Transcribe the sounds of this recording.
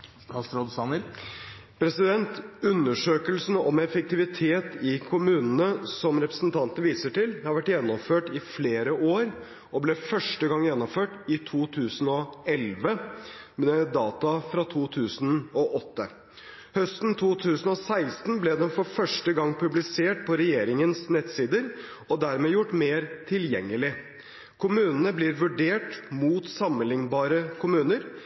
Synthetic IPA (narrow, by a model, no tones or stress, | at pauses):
ɑst̪ɾɔd̪sɑnəɾ | pʰɾɛsɪd̪ɛnt̪ʉnːəʂøːkəlsn̩ɔmɛfək̚t̪ɪʋɪt̪ʰeːt̪ɪkʰʊmʉːnənəsɔmɾɛpɾəsn̩t̪ʰɑnt̪ənəʋiːsəʈɪlhɑɾʋæʈːjɛnːɔmføːʈɪfleːɾəʔoːɾ | ɔblɛfœʂʈəɡɑŋːjɛnːɔmføːʈɪt̪ʰuːt̪ʰʉːsn̩ɔɛlʋəmɛd̪ɑːt̪ɑfɾɑt̪ʰuːt̪ʰʉːsnɔʔɔt̪ːə | hœst̪n̩t̪ʰuːt̪ʰʉːsn̩ɔsæɪst̪n̩blɛd̪ɛmfɔɾfœʂʈəɡɑŋːpʰʉblɪseːʈpʰɔɾɛjeːɾɪŋənsnɛt̪siːd̪əɾ | ɔd̪æɾmɛːjʊʈːmeːɾt̪ʰɪljɛ̰ŋːəlɪ | kʰʊmʉːnənəbliːɾʋʉɖeːʈmuːt̪sɑmənɪŋbɑːɾəkʰʊmʉːnəɾ